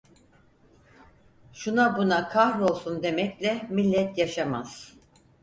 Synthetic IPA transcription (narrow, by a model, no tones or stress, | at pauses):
ʃunabunakʰahɾo̞lˠsund̪e̞mɛclʲɛmilʲːɛt̪jaʃamaz̥